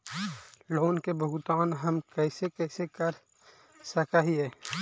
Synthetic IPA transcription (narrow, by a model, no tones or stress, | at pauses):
loːnkebʱʊɦt̪aːnɦɐmkɛːsekɛːsekəɾ | səkaɦiɦɛː